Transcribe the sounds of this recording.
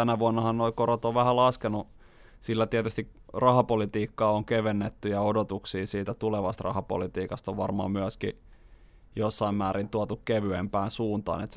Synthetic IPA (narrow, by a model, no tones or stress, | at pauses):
ænæʋuɑnːɑhɑnnoikorot̪oʋʋæhælɑskenu | silːæt̪iæt̪yst̪ikrɑhɑpolit̪iːkːɑːoŋkeʋenːet̪ːyjɑodot̪uksiːsiːt̪æt̪uleʋɑst̪rɑ̰hɑpo̰lit̪iːkɑst̪oʋʋɑrmɑ̰ːmmyæski | josːɑimmæːɾint̪uɑt̪ukkeʋyempæˑːnsuːnt̪ɑ̰ːnet̪s